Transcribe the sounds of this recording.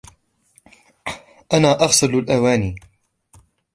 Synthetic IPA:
ʔanaːʔɑɣsˤɨlalʔawaːniː

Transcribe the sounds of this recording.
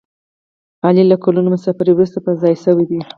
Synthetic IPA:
ɑlilakolunomʊsɑfaɾiwɾust̪apəzɑjsəwid̪i

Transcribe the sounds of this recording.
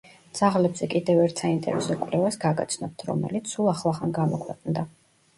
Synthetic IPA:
d̪z̥aʁlɛbzɛkʼid̪ɛvɛɾt̪ʰsaint̪ʼɛ̰ɾɛ̰sɔkʼlɛvasɡaɡa̰t̪sʰnɔp̚t̪ʰɾɔ̰mɛ̰lit̪sʰsulˠaχlˠaχanɡamɔkʰwɛqʼnd̪a

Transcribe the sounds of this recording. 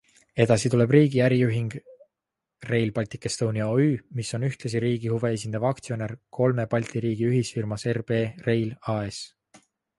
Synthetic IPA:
e̞d̪̥ɑsit̪ule̞b̥riːɡiæɾijuɦiŋɡ̥ | re̞jlpɑlʲt̪ikːˑest̪owniɑoyːmiso̞nyht̪lɑs̬iɾiːɡ̥ihuve̞es̬ʲind̪̥ɑvɑkt̪sio̞ne̞rkʰo̞lme̞pɑlʲt̪iɾiːɡ̥iyɦisfirmɑserb̥e̞ːre̞jlɑe̞s

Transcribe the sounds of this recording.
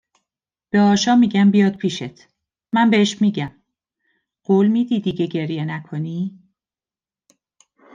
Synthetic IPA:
b̥eɒːʃɒːmiːɟæmbijɒːd̪̥̚pʰiːʃet̪ʰ | mænbeeʃmiːɟæm | ɢ̥oːlmiːd̪iːd̪iːɟeɟe̞ɾjenækʰoniː

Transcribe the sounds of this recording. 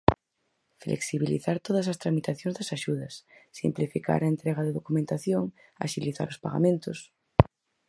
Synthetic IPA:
flʔḛksiβilḭθaɾt̪oð̞ɐsast̪ɾamit̪aθjõŋzðɐsaʃuðɐsːḭmplifika̰ɾɐent̪ɾɛɣ̞ɐðeðokumẽnt̪aθjoŋ | a̰ʃiliθa̰ɾospaɣa̰mẽnt̪os

